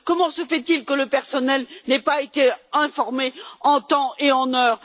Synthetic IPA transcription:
kɔmɑ̃səfɛt̪ilkələpɛʁsɔnɛlnɛpaet̪eɛ̃fɔʁmeɑ̃t̪ɑ̃eɑ̃nœːʁ

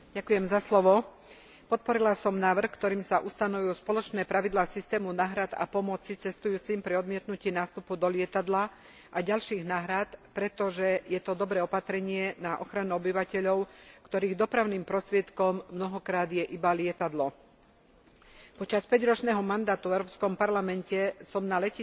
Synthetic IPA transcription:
ɟakujɛmzaslɔʋɔ | pɔt̪̚pɔɾilasɔmnaːʋr̩xkt̪ɔɾiːmsaʔust̪anɔʋujuspɔlɔt͡ʃnɛːpɾaʋid̪laːsist̪ɛːmunaːɦɾad̪a̰pɔmɔt͡sit͡sɛst̪ujuːt͡simpɾiɔd̪mɪɛt̪nuciːnaːst̪upud̪ɔlɪɛt̪ad̪la | ʔaɟalʃiːɣnaːɦɾat̪pɾɛt̪ɔʒɛjɛt̪ɔd̪ɔbɾɛːɔpat̪ɾɛɲɪɛnaʔɔ̰xɾanuɔbiʋacɛʎɔʊkt̪ɔɾiːɣd̪ɔpɾaʊniːmpɾɔst̪ɾɪɛt̪kɔmːnɔɦɔkɾaːd̪jɛʔibalɪɛt̪ad̪lɔ | pɔt͡ʃaspɛɟɾɔt͡ʃnɛɦɔmand̪aːt̪uvɛʊɾɔːpskɔmpaɾlamɛncɛsɔmnalɛci

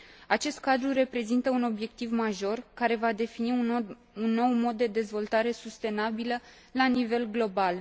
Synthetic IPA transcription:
at͡ʃe̞st̪̚kad̪ɾure̞pɾe̞zint̪əuno̞bje̞k̚t̪ivmaʒo̞rkaɾe̞vad̪e̞fini | unːo̞wmo̞d̪ːe̞d̪e̞zvo̞lt̪aɾe̞sust̪e̞nabilə | lanive̞lɡlo̞bal

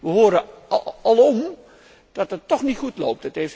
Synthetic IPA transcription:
ʋəɦoːɾəɑlˠɔm | d̥ɑtətːɔχnitχutlo̰wp̚tətejf

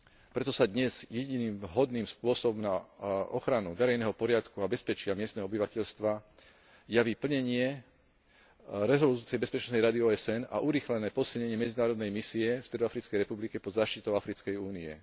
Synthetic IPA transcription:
pɾɛt̪ɔsad̪ɲɛz̥jɛɟiniːmɦɔd̪niːmspʊɔsɔbɔmnaɔ̰xɾanuʋɛɾɛjnɛɦɔpɔɾɪat̪kuabɛspɛt͡ʃɪamɪɛst̪nɛɦɔɔbiʋacɛʎst̪ʋa | jaʋiːpl̩ɲɛɲɪɛ | ɾɛzɔlut͡siɛjbɛspɛt͡ʃnɔsnɛjɾad̪iɔːɛsɛna̰ʔuɾiːxlɛnɛːpɔsilɲɛɲɪɛmɛd͡zinaːɾɔd̪nɛjmisiɛfst̪ɾɛd̪afɾit͡skɛjɾɛpublikɛpɔd̪zaːʃt̪it̪ɔʊafɾit͡skɛjuːniɛ̰

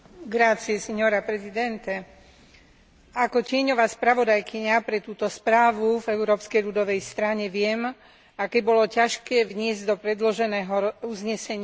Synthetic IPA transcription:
ɡɾat͡siɛsɛɲɔɾapɾɛzid̪ɛnt̪ɛ | akɔcɪɛɲɔʋaːspɾaʋɔd̪ajkiɲapɾɛt̪uːt̪ɔspɾaːʋuvɛuɾɔːpskɛjʎud̪ɔʋɛjst̪ɾaɲɛʋɪɛm | akɛbɔlɔcaʃkɛːʋɲɪɛzɟd̪ɔpɾɛd̪lɔʒɛnɛːɦɔuzɲɛsɛɲɪ

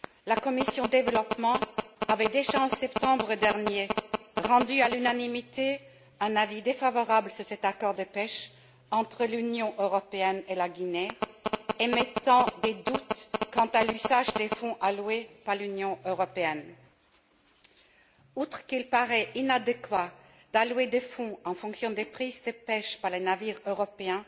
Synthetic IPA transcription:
lakɔmisjɔ̃d̪d̪evəlɔpmɑ̃avɛd̪eʒaɑ̃sɛpt̪ɑ̃bʁəd̪ɛʁnjeʁɑ̃d̪yalynanimit̪ʰe | ɛ̃navid̪efavɔʁabləsyʁsɛt̪akɔʁd̪əpɛʃ | ɑ̃t̪χəlynjɔ̃ʔøʁɔpeɛnelaɡine | emet̪ɑ̃d̪ed̪ut̪kɑ̃t̪alyzaʒd̪efɔ̃ʔalwepaʁlynjɔ̃øʁɔpeɛn | ut̪χəkilpaʁɛʔinad̪ekwa | d̪̥alwed̪efɔ̃ɑ̃fɔ̃ksjɔ̃d̪epχizd̪əpɛʃpaʁlenaviʁøʁɔpeɛ̃

